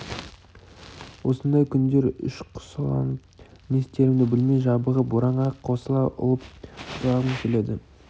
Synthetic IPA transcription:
wo̞sənd̪ɑjkʲʰʏnd̪e̞ɾʏ̰ʃqʰʊ̥slˠɑ̰nəpmest̪e̞ɾɪmd̪ɪbɪlmejʒɑbəʁəboɾɑɴʁɑqʰːo̞səlˠɑʔʊ̰lˠəp̚t̪ʰlˠɑʁənkʲʰele̞d̪ɪ

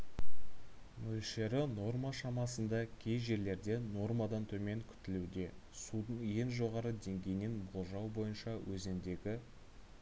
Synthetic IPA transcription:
mɵlʃe̞ɾɪno̞rmaʃɑmɑsənd̪ɑkʲʰe̞jʒe̞ɾle̞ɾd̪e̞no̞rmɑd̪ɑnt̪ʰɵme̞ŋkʲʰʏ̥t̪ɪlud̪e̞sud̪əɴje̞nʒo̞ʁɑɾəd̪e̞ŋɡʲe̞jne̞nbolˠʒɑwbo̞jənʃɑwʔɵzend̪e̞ɡʲɪ

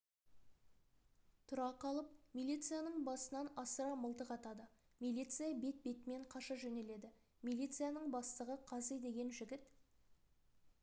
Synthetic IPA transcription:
t̪ʰʊɾɑqɑlˠəp̚milʲijt̪sɨjanəɴbɑsənɑnɑsəɾɑməlˠt̪əqɑt̪ɑd̪ə | milʲijt̪sɨjabe̞t̪̚be̞t̪ɪme̞ɴqʰɑʃɑʒɵne̞le̞d̪ɪ | milijt̪sɨjanəɴbɑst̪əʁəqʰɑzejd̪e̞ɡʲe̞nʒɪɡʲɪt̪

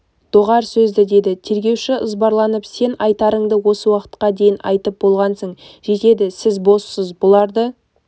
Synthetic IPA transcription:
d̪̥o̞ʁɑɾsɵzd̪ɪd̪e̞d̪ɪt̪ʰe̞ɾɡʲe̞wʃɪʔəzbɑɾlˠɑnəpse̞nɑjt̪ɑɾəɴd̪əwo̞səwɑqə̥t̪̚qɑd̪e̞jɪnʔɑ̰jt̪əp̚bo̞lˠʁɑnsəɴʒe̞t̪e̞d̪ɪsɪzbo̞ssəzbʊlˠɑɾd̪ə

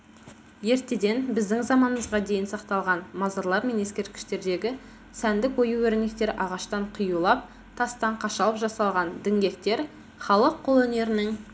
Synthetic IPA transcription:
je̞ɾt̪e̞d̪e̞nbɪzd̪ɪŋzɑmɑnəməzʁɑd̪ejɪnsɑqt̪ɑlˠʁɑnmɑzɑɾlˠɑɾme̞ne̞skʲe̞ɾt̪kʲɪ̥ʃt̪e̞ɾd̪e̞ɡʲɪ | sænd̪ɪkwo̞juwɵɾɪne̞k̚t̪e̞ɾʔɑʁɑʃt̪ɑɴqʰijulˠɑp̚ | t̪ʰɑst̪ɑɴqʰɑʃɑlˠəpʒɑsɑlˠʁɑnd̪ɪŋɡʲe̞k̚t̪e̞ɾ | χɑlˠəqʰːo̞lˠɵne̞ɾɪnɪŋ

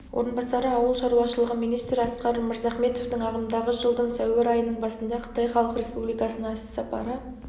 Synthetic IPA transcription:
wʔo̞̰ɾənbɑsɑɾəɑwəlˠʃɑɾuwɑʃəlˠəʁəmijnijst̪ɾɪɑsqɑɾməɾzɑχme̞t̪ovd̪əɴɑʁəmd̪ɑʁəʒəlˠd̪əɴsæwɪɾɑjənəɴbɑsənd̪ɑqʰə̥t̪ɑjχɑlˠəqɾe̞spublijkɑsənəɴssɑpɑ̰ɾə

